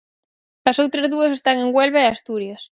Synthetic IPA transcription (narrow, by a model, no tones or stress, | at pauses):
ɐsowt̪ɾɐzðuɐsest̪aŋeŋɡwelβeeast̪uɾjɐs